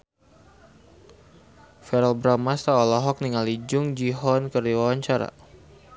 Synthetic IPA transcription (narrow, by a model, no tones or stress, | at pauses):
fɛɾalbɾamast̪aɔlɔɦɔk̚niŋalid͡ʒʊŋd͡ʒiɦɔnkərdiwawaɲt͡ʃaɾa̰